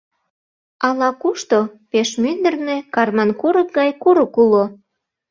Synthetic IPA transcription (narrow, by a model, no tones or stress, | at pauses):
ɑlɑkuʃt̪opeʃmynd̪ə̆rnekɑrmɑnkuɾək̚ɡɑjkuɾəkulo